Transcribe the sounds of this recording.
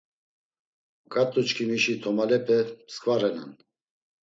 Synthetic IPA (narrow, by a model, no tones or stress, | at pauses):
kʼat̪ʼut͡ʃkʰimiʃit̪ʰɔmalɛpʰʼɛskʼvaɾɛna̰n